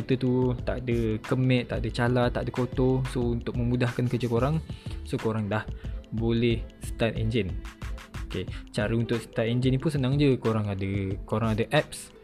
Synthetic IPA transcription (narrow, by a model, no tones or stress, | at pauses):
t͡ʃit̪ət̪ut̪aʔdəkəmɛ̃ʔt̪ːaʔdət͡ʃalat̪ːa̰ʔdəkot̪osount̪ʊk̚məmudahkankəd͡ʒəkoɾaŋsokoɾaŋdahbolɛhsə̥t̪at̪ɛnd͡ʒɪnoket͡ʃaɾəunt̪ʊʔsə̥t̪at̪ɛnd͡ʒinipunsənãŋd͡ʒəkoɾaŋadəkoɾaŋadəʔɛp̚s